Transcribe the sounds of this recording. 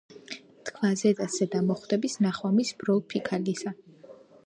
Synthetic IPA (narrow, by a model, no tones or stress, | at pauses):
t̪kʰvazɛd̪asɛd̪amɔχwd̪ɛbisnaχwamisbɾɔlˠpʰikʰalisa